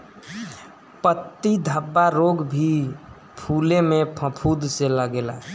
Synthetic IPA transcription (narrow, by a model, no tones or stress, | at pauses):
pət̪ːid̪ʱəbːaɾoɡbʱi | pʰulemẽpʰə̃pʰud̪selaɡela̰